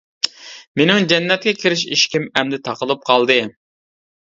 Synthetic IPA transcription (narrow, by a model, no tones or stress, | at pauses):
menɪŋd͡ʒɛnːɛt̪̚kʲɛkʲʰiɾɪʃḭʃkʲimɛmd̪ɪt̪ʰɑqəlˠɨp̚qʰɑlˠd̪ɨ